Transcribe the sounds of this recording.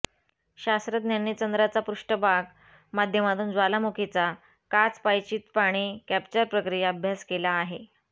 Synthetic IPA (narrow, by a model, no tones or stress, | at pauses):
ɕast̪ɾəd̪njanːit͡ɕənd̪ɾat͡sapɾuʂʈəbʱaɡ | mad̪ʱjəmat̪uːnd͡zʋalamukʰet͡sa | kat͡spajt͡ɕiːt̪paɽ̃iːkæpt͡ɕəɾpɾəkɾijaəbʱjaskelaːɦe